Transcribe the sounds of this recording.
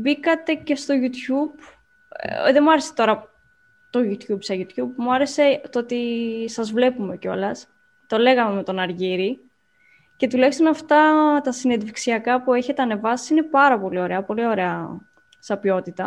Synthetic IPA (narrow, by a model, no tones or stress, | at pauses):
bikɐt̪e̞ce̞st̪o̞ʝut̪çub̥ | ðemuɐɾe̞se̥t̪o̞ɾɐ | t̪o̞ʝut̪çubsɐʝut̪çubmuɐɾese̞t̪oot̪isɐzvle̞pume̞co̞̰lɐs | t̪o̞le̞ɣɐme̞me̞t̪o̞nɐɾʝiɾi | ce̞t̪ulɐçist̪onɐft̪ɐt̪ɐsinend̪viksiɐkɐpue̞çe̞t̪e̞ɐne̞vɐsiine̞pɐɾɐpo̞lio̞ɾeɐpo̞lio̞ɾe̞ɐ | sɐpio̞t̪it̪ɐ